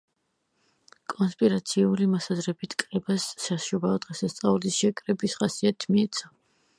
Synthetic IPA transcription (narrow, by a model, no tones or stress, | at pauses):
kʼɔnspʼiɾat̪sʰiulimɔsazɾɛbit̪ʰkʼɾɛbasːasʃubaɔd̪̥ʁɛsast̪sʼaulisʃɛkʼɾɛbisχasiat̪ʰmiɛt̪sʰa